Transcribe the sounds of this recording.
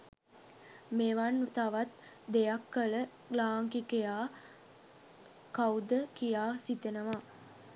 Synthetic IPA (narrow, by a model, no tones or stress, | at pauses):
meʋant̪aʋat̪ | d̪ejakːələ | ɡlaːŋkikejaː | kawd̪əkijaːsit̪enəʋa